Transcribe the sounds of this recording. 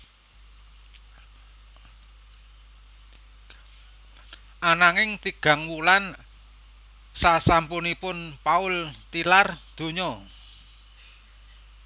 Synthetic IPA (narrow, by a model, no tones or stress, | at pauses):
ʔanaŋɪŋt̪iɡ̥a̤ŋwulan | sasampunipʊnpaʊlt̪ilard̪̥o̤ɲɔ